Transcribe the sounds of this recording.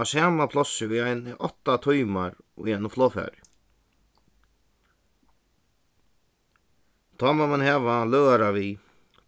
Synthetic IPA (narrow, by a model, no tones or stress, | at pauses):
asaːmapʰlɔsɪʊjajnɪʔɔ̰t̪ːat̪ʰɔjmaɾ | ʊ̰jajnʊflɔːfɛ̰ɾɪ̰ | t̪ʰaːmamanhɛːvalœːɣaɾavi